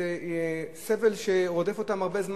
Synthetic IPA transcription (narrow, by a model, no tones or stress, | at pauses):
esevelʃeʁod̪e̞fot̪amaʁbezm